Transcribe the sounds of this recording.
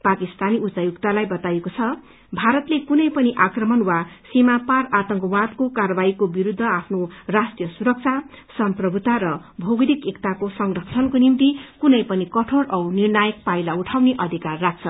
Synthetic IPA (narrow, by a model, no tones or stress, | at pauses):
pakist̪aniut͡sajukt̪alajbʌt̪ajekot͡sʰʌ | bʱaɾʌt̪lekunʌjpʌniʔakrʌmʌnwasimapaɾat̪ʌŋkʌwat̪kokarʌbaikobiɾud̪ʱːʌapʰnorasʈijʌsuɾʌk̚t͡sʰa | sʌmprʌbʱut̪aɾʌ | bʱoɡd̪ikekt̪akosʌŋrʌkt͡sʰʌnkonimt̪ikunʌjpʌnikʌʈʰoɾʌwnirnajʌk̚pajlauʈʰawneʔʌd̪ʱikarːak̚ʰt͡sʰʌ